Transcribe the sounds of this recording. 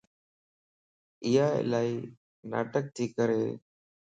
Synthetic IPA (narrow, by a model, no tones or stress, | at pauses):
ɪɦa̰ːlaːiː | na̰ːʈək̚t̪ʰiːkəɾeː